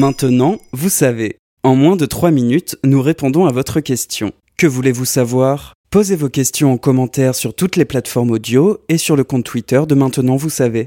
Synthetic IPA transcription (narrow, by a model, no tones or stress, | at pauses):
mɛ̃t̪ənɑ̃vusave | ɑ̃mwɛ̃d̪ət̪χwaminyt̪nuʁepɔ̃d̪ɔ̃avɔt̪χəkʲɛst̪jɔ̰̃ | kəvulevusavwaːʁ | pozevokʲɛst̪jɔ̃ɑ̃kɔmɑ̃t̪ɛʁsyʁt̪ut̪leplat̪fɔʁmod̪joesyʁləkɔ̃t̪̚t̪ːwit̪œʁd̪əmɛ̃t̪ənɑ̃vusave